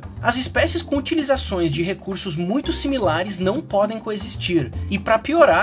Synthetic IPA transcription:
ɐzɪspɛsɪskõut͡ʃilizasõj̃zd͡ʒɪɦekuɾsʊzmũj̃t̪ʊsimilaɾɪznɐ̃w̃pɔd̪ẽj̃koezist͡ʃiɾɪpɾɐpioɾa

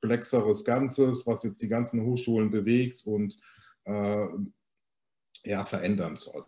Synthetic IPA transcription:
plɛksəʁəsɡ̥ant͡səsv̥asjɛt͡std̥iːɡant͡sn̩hoːxʃuːlənbəveːktʰʊnt | ʔɛː | jaːfɛɐʔɛndɐnz̥ɔ̰l

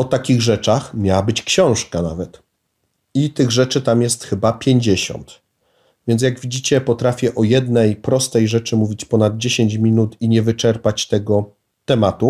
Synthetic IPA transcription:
ɔt̪akʲiɣʐɛt͡ʂaxmʲjawabɘt͡ɕkɕɔ̃w̃ʂkanavɛt̪ | it̪ɘɣʐɛt͡ʂɘt̪amjɛst̪xɘbapʲjeɲd͡ʑeɕɔ̰nt̪ | vʲjɛnt̪sjaɡvʲid͡ʑit͡ɕɛpɔt̪ɾafʲjɛʔɔjɛd̪nɛjpɾɔst̪ɛjʐɛt͡ʂɘmuvʲit͡ɕpɔnad̪̚d͡ʑeɕeɲt͡ɕmʲinut̪iɲɛvɘt͡ʂɛɾpat͡ɕt̪ɛɡɔ | t̪ɛmat̪u

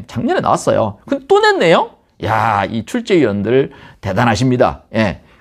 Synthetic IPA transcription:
t͡ɕaŋɲʌnena̰was͈ʌ̰jo̰kɯndet͈onenːe̞jo | ja̰it͡ɕʰuɭt͡ɕ͈e̞iwʌndɯɾɯɭte̞danɦaɕ̬ʰimɲida̰je̞

